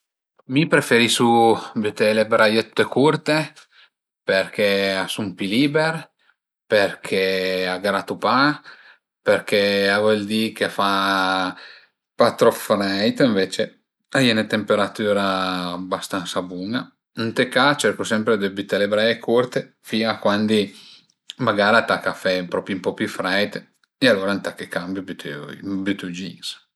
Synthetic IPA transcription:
mipɾefeɾisubyt̪elebɾajet̪u̥t̪ːekurt̪e | perk̟easumpiliːbeɾ | perkʰeaɡɾat̪upa | perk̟eavold̪ikefa | pat̪ɾofɾɛjt̪iɱveːt͡ʃe | ajɛnet̪empeɾat̪yːɾaːbast̪ansabuŋɡa̰ | nt̪ekat͡ʃɛrkosɛmpɾed̪ebit̪ːelebɾɛekʰurt̪e | fiːakwand̪i | maɡaːɾat̪akafːɛpɾɔːpɾjumpɔpjufɾɛjt̪ | ealːoːɾant̪akːekːambjubut̪bjut̪ud͡ʒḭŋs

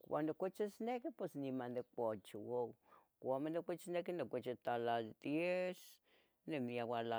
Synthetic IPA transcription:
kʷwa̰nd̪okʷet͡ʃesnekepesnimand̪ekʷot͡ʃewow | kʷamand̪ekʷet͡ʃenekenekʷet͡ʃet̪alad̪̥jes | nemiawala

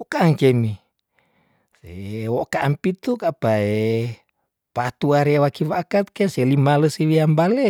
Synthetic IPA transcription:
okaːŋkemi | sewokaʔampit̪ukapae | pat̪uaɾeawakiwakat̪̚keselimaləsiwiambale

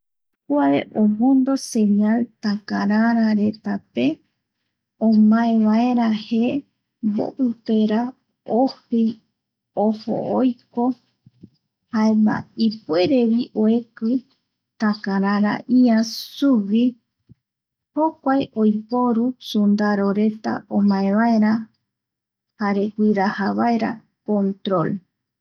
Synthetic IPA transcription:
kuaeʔomõnd̪o̞se̞ɲalt̪akaɾaɾaɾe̞t̪ape̞ | õmãẽʋaeɾahe | mbo̰pɨpeɾa | ohej | oho̰ojko̞ | haema̰ipweɾeβiʔoekɨ | t̪ãkãɾãɾa̰ʔiãsuβi | ho̞kʷajʔo̞jpo̞ɾusund̪aɾo̞ɾe̞t̪a̰omãẽβaeɾa | haɾe̞kʷiɾahaβaeɾa̰ | kõnt̪ɾo̞l

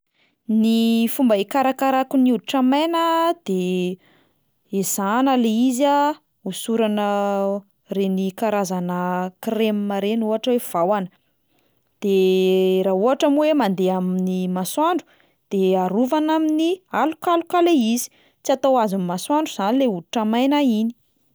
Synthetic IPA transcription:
nifumbəekaɾakaɾakuniuʈ͡ʂamanəd̪̥e | ez̥anəleiza | usuɾanə | renikaɾazanəkremimaɾenuɦaʈ͡ʂəwev̥awanə | d̪̥eɾauɦaʈ͡ʂamwemand̪eaminimaswaɳɖ͡ʐu̥ | d̪̥eaɾuvanaminialukalukaleizi̥ | t͡siat̪awazinmaswaɳɖ͡ʐuz̥anileuɾuʈ͡ʂamajnaini̥

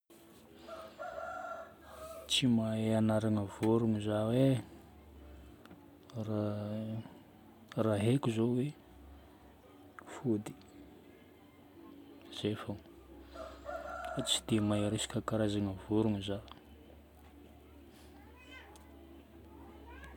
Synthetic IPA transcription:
t͡simaeanaɾaŋəvuɾuŋizawe | ra | raɦekuzowe | fud̪i̥ | z̥efəŋ | at͡si̥d̪̥emaiɾesi̥kʲəkaɾazaŋəvuɾuŋiza

